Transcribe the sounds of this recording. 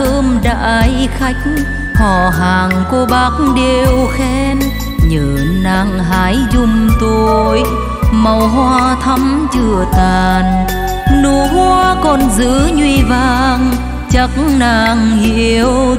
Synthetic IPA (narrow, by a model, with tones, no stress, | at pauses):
əː˧mɗa̰ː˧jxa˧jk̚ | hɔ˧˩ɦaː˨˩ŋko˧ɓaː˨˦˥k̚ɗe˧˨˧wxɛ˧n | ɲəː˨˩naː˧ŋɦaː˧˦jzʊ˧ŋ͡mt̪o˧j | mə˨˩wɦwaː˧t̪ʰə˧˥mt͡ɕɨ˧˩ət̪aː˨˩n | nu˧˩əmu˧əkɔ˨˩nzɨ̰˧˥ɲwi˧vaː˧ŋ | t͡ɕə˧˦k̚naː˧˩ŋhi˧˨˧əw